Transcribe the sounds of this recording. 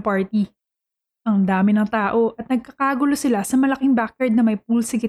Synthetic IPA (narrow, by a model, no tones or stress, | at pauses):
paɹt̪i | ʔɐŋd̪aːmɪnɐŋt̪aːʔo̞ʔɐt̪̚nɐɡ̚kɐkaːɡʊlosɪlasɐmɐlɐkɪŋbakːɐɹd̪̚nɐmɐjp̚uːlsɪkɪ